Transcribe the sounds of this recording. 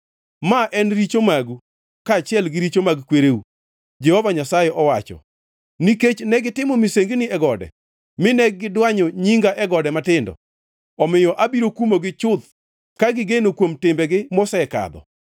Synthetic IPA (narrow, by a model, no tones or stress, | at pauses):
maʔɛnɾit͡ʃomaɡu | kaːt͡ʃɪɛlɡɪɾit͡ʃomaɡkweɾeu | d͡ʒɛhɔvaɲasajɛʔɔwat͡ʃɔ̰ | niket͡ʃnɛɡɪtɪmɔmiseŋɡnɪɛɡɔdɛ̰ | mɪnɛɡːɪdwaɲɔɲiŋɡaʔɛɡɔdɛmatɪndɔ̰ | ɔmɪjɔʔabiɾokumoɡɪt͡ʃʊd̪ | kaɡɪɡenokwomtɪmbɛɡɪmɔsɛɛka̰d̪ɔ̰